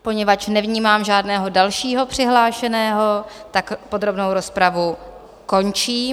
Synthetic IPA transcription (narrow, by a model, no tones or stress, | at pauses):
po̞ɲɛvat͡ʃnɛvɲiːmaːmʒaːdnɛːɦo̞dalʃiːɦo̞pr̝̥ɪɦlaːʃɛnɛːɦo̞t̪akpo̞dɾo̞bnowɾo̞spɾavu | ko̞nt͡ʃiː